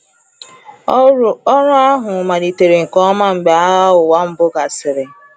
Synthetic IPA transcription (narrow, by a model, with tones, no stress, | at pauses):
ɔ˦ɾʊ˦a˦ɦʊ˨ma˨ɾi˨te˨ɾe˨ŋ̩˨kɔ˦ma˦ŋ͡m̩˨ɡ͡be˨a˦ʊ˨wa˦m̩˨bʊ˦ɡa˨sɪ˨ɾɪ˨